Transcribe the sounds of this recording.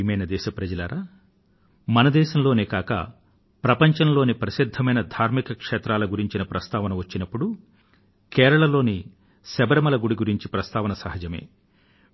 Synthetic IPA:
imɐjnɐd̪ɛːʃɐpɾɐd͡ʒɐlɐɾaː | mɐnɐd̪ɛːʃɐmlo̞ːneːkaːkɐ̰ | pɾɐpɐɲt͡ʃɐnlo̞ːnipɾɐʃid̪ʱːɐmɐjnɐd̪ʱaːɾmikɐkʂɛːt̪ɾaːlɐɡuɾiɲt͡ʃinɐpɾɐst̪aːʋɐnɐʋɐt͡ʃːinɐpːuɽu | kɛːɾɐɭɐlo̞ːni | sɛbɐɾɐmɐlɐɡuɽiɡuɾiɲt͡ʃipɾɐst̪aːʋɐnɐsɐɦɐd͡ʒɐmḛː

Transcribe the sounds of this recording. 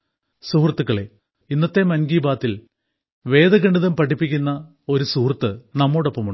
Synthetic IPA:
suhrt̪ːuɣɐɭe | inːɐt̪ːe̞mɐnɡiːbaːt̪ːil | ʋe̞ːðɐɡɐɳɖiðɐmpɐʈʰːipːikʲːunːɐ | o̞ɾusuhrt̪ːɨnɐmːoːɽo̞pːɐmuɳɖ

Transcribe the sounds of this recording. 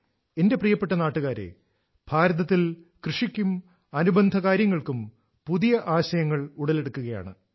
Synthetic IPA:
e̞nde̞prijɐpːe̞ʈːɐnaːʈːuɣaːɾḛ | b̥ʱaːɾɐðɐt̪ːil | krɨʂikʲːum | ɐnubɐnd̪ʱɐkaːɾjɐŋːɐɭkum | puðijɐʔaːɕɐjɐŋːɐɭuɽɐle̞ɽukːuɣɐja̰ːɳɨ̰

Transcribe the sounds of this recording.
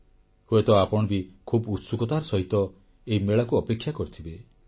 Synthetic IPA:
hoet̪ɔapɔɽ̃ɔbikʰubut̪sukɔt̪aɾɔsɔɦit̪ɔ | eɦimeɭakuɔpekʰːjakɔɾit̪ʰibe

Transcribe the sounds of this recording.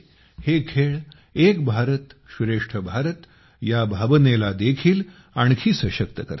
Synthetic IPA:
hekʰeɭ | ekbʱaɾət̪ɕuɾeʂʈʰəbʱaɾət̪ | jabʱabənelad̪ekʰiːl | aɳ̃kʰiːsəɕəkt̪əkə̰ɾ

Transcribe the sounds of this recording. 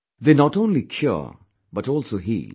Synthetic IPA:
ðenɔʈõːnlikʰjɔ̰ | bʌʈɔːlsoːɦḭ

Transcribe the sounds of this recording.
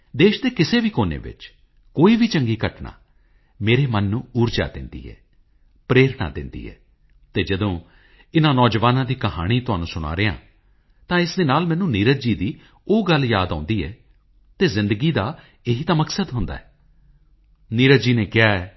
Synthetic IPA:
d̪eːʃd̪eːkɪseːʋiːkoːnḛːʋɪ̰t͡ʃ | koːiːʋiːt͡ʃəŋɡiːkəʈna̰ː | meːɾeːmənːũːuːɾd͡ʒa̰ːd̪ɪ̰nd̪ḭːɛ̰ː | pɾeːɾna̰ːd̪ɪnd̪ḭːɛ̰ː | t̪eːd͡ʒəd̪õː | ɪnãːnɔːd͡ʒʋaːnãːd̪iːkəɦa̰ːɽ̃iːt̪ʊɦaːnũːsʊɽ̃a̰ːɾeːã̰ː | t̪ãːɪsd̪eːnaːlmɛːnũːniːɾəd͡ʒiːd̪iː | oːɡəljaːd̪ã̰ːnd̪iːɛː | t̪eːzɪ̃nd̪əɡiːd̪aː | eɦiːt̪ãːməksəd̪ɦʊnd̪a̰ːɛː | niːɾəd͡ʒiːneːkɪjaːɛː

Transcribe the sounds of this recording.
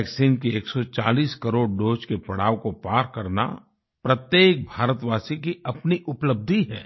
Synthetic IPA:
ɛːksiːnkieːksɔt͡ʃa̰ːliːskɐɾoːɽɖoːd͡ʒkepɐɽ̤aːʋkopaːɾkɐɾna̰ | pɾət̪jeːk̚bʱaːɾət̪ʋaːsikiɐpniʔʊpləb̚d̪ʱiɦɛː

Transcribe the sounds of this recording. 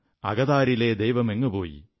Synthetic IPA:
ɐ̰ɣɐðaːɾileːd̪ɐjʋɐmeŋːɨpoːjḭ

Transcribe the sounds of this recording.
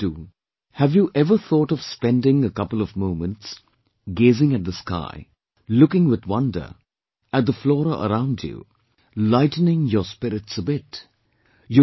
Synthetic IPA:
duː | hævjuʔɛvəθɔːʈɔv̥spɛ̃ndɪ̃ŋəkʌpəl̩ɔvmõʊ̃mə̃nʈs | ɡeːzɪ̃ŋɨt̚d̪əska̰ɪ | lʊkɪ̃ŋwɪd̪wʌ̃ndə̰˞ | ɨt̚d̪əflɔːɾə̰ɾãʊ̃ndjṵ | laɪtn̩ɪ̃ŋjəspɪɾɪtsəbɪt | jə

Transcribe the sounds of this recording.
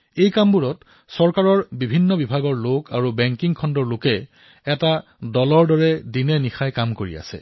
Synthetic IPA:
ejkambuɹɔt | sɔɹkaɹɔɹbibʱinːɔbibʱaɡɔɹlokaɹubɛŋkiŋkʰɔndɔɹlokɛ | ɛta | dɔlɔɹdɔɹɛdinɛnixajkamkoɹḭa̰sɛ̰

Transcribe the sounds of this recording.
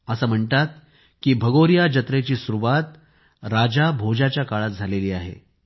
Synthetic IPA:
əsəm̤əɳʈ̪at̪̚ | kiːbʱəɡoɾijad͡ʑət̪ɾet͡ɕiːsuɾuʋat̪ | ɾad͡ʑabʱod͡ʑat͡ɕjakaɭat̪̚d͡zʱaleliːaɦḛ

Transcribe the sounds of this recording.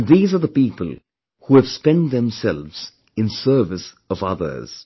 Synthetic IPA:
nðiːzə˞ðəpiːpə̰l̩ˠ | huɨv̥spɛ̃ntðɛ̃msɛlvz̥ | ɨ̃nsɜ˞vɨs | ʌvʌ̰ðə̰˞z̥

